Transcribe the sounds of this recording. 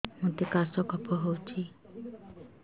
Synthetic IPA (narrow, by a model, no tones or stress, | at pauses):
mũt̪ekasɔkɔpɔɦowt͡ʃʰi